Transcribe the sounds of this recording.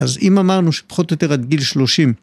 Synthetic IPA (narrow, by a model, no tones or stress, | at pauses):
azimamaʁnuʃe̥pḁχo̞t̪jot̪e̞ʁad̪ɡilʃlo̞ʃim